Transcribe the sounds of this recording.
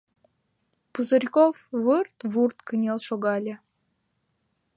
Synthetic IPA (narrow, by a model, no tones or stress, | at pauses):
puzərʲkofβɨrt̪βurt̪kənʲelʃoɣɑlʲĕ